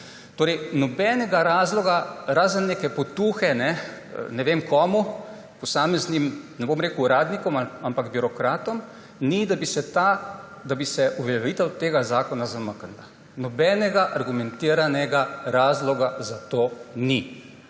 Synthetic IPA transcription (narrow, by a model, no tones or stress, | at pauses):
t̪oːɾɛjnɔbɛːnɛɡaɾaːzlɔɡaɾaːzənːeːkɛpɔt̪uːxɛnɛ̰nɛʋeːmkɔːmu | pɔsaːmɛznimnɛboːmɾeːkuɾaːd̪nikɔmaampaɡbiɾɔkɾaːt̪ɔm | nid̪abisɛt̪a | d̪abisɛʔuʋɛljɛʋiːt̪əwt̪eːɡazaːkɔnazamakənd̪a | nɔbɛːnɛɡaʔaɾɡumɛnt̪iːɾanɛɡaɾaːzlɔɡazat̪oːni